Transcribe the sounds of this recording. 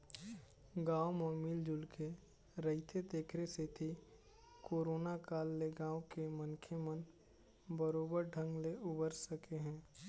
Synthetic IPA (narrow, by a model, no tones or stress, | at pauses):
ɡãːwmɔmild͡ʒʊlke | ɾəɦɪt̪ʰed̪eːkʰɾeset̪ʰi | koːɾoːnakaːlːeɡãːwkemənkʰemən | bəɾoːbəɾɖʱə̃ŋɡleʊbəɾsəkeɦɛ̃ː